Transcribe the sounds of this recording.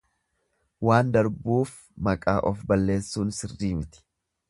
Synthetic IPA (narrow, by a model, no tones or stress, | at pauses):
waːnd̪ɐɾbuːf | mɐkʼaːʔɔfbɐlːe̞ːsːuːnsɪrːiːmɪt̪ɪ̥